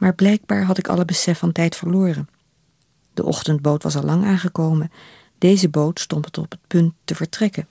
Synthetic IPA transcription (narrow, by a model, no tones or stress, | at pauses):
maːɹblɛjɡ̚baːɹɦɑtɪkɑ̰ləbəsɛfɑntɛjtfəɹlʊːrən | d̥ə̰ʔɔ̰χtənd̚bowtʋɑ̰sɑlɑŋaːnχəkowmən | d̥ejzəbowtstɔntətɔ̰pət̚pɵntːəvəɹtrɛkən